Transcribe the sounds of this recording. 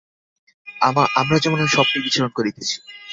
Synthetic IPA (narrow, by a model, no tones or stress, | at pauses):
amaʔamɾad͡ʑɔmaneʃɔb̚kibit͡ɕʰaɾonkoɾet̪ʰet͡ɕʰi̥